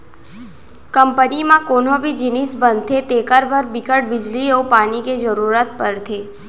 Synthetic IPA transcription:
kəmpənimãkonobʱid͡ʒinisbənt̪ʰet̪ekaɾbʱəɾbikəʈ̚bɪd͡ʒliopaniked͡ʒəɾuɾat̪pəɾt̪ʰe

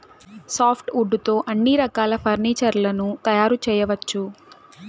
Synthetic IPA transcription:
saːpʰʈuɖːut̪o̞ːʔɐnːiɾɐkaːlɐpʰɐɾniːt͡ʃɐɾlɐnut̪ɐjaːɾut͡ʃɛːjɐʋɐt͡ʃːu

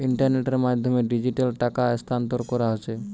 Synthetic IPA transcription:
iɳʈaɾneʈeɾmad̪ʱːomeɖid͡ʑiʈalʈakast̪ʰant̪oɾkɔɾaɦot͡ɕʰe

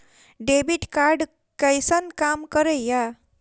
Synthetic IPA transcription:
ɖebiʈkaɾɖ | kajsʌnkamkʌɾəja

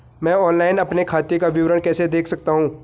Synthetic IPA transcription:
mɛ̃ːɔːnlaːɪnɐpnekʰaːt̪ekaʋɪʋɾənkɛːsed̪eːkʰsɐk̚t̪aɦũː

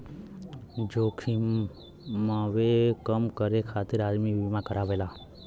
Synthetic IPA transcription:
d͡ʒoːkʰi | maʋekəmkəɾekʰat̪ɪɾad͡ʒmiʋimãkəɾaːʋela

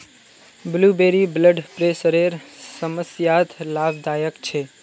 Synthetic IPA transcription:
blubeɾibləɖpɾesəɾeɾsəməsjat̪ʰlabd̪aːjəkt͡ʃʰe

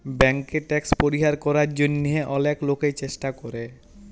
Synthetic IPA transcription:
bɛŋkeʈɛkspoɾiɦaɾkɔɾaɾd͡ʑonːieʔɔlekloket͡ɕeʃʈakɔɾe

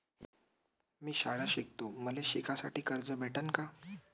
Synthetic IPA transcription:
miːɕaɽaɕik̚t̪oməleɕikʰasaʈiːkəɾd͡zəbʱeʈʰənka

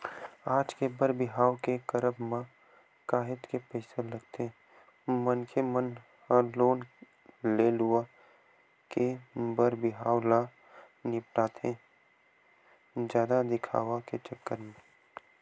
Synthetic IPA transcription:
aːd͡ʒkebəɾbɪɦaːwkekəɾəbmã | kaːɦɪʈ̪kepɛɪseləɡt̪ʰe | mənkʰemən | həloːn | leːlʊa | kebəɾbɪɦaːwla | nɪpʈaːt̪ʰẽ | d͡ʒjaːd̪ad̪ɪkʰa̰ːʋaket͡ʃəkːəɾmẽ

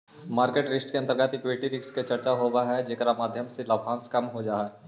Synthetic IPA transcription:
maːɾkeːʈɾɪsʈkeɐ̃nt̪əɾɡaːt̪ɪkweːʈiɾɪksket͡ʃɐɾt͡ʃaɦobaɦɛd͡ʒeːkɾamaːd̪ʱjəmselɐbʱãːskɐmɦod͡ʒaːɦɛː

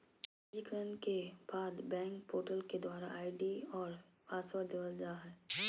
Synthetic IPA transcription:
d͡ʒikəɾənkeb̥aːd̪bɛ̃ːŋkpoːʈəlked̪waːɾa̰ʔaːɪɖiɔːɾ | aːswəɾd̪eʋəld͡ʒaɦɛː

